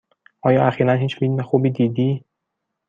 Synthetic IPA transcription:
ɒːjɒːʔæxiːɾænɦiːt͡ʃʰmid̪umexubiːd̪iːd̪iː

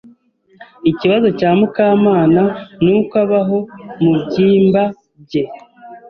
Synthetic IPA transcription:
iciβazo̞caːmukaːmaːnanukaβaɦo̞mubɟiːmba | b̚ɟe

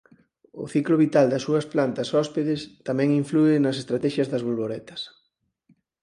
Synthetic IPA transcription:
ʊ̰θiklʊβit̪ald̪ɐsuɐsplant̪ɐsɔspeðɪst̪amɛ̃ŋiɱfluɪnɐsest̪ɾat̪ɛʃjɐzðɐzβolβoɾɛt̪ɐ̥s

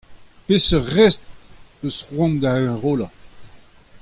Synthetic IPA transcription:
pesəʁɛst̚əsʁwɔ̃nd̪aɛ̃ʁoːla

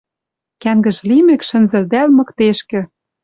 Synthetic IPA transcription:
kæŋɡə̆ʒlimɘ̆kʃɘ̆nzɘ̆ld̪ælmɤ̆kt̪eʃkɘ̆

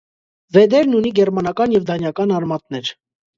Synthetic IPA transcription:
vɛd̪ɛɾnuniɡɛɾmɑnɑkɑnjɛvd̪ɑnjɑkɑnɑrmɑt̪nɛɾ

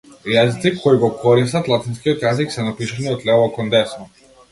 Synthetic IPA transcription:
jazit̪sikʰːɔiɡɔkʰɔɾis̬t̪at̪lˠat̪inskiɔt̪jaziksɛnapiʃaniɔt̪lʲɛvɔkɔnd̪ɛsmɔ

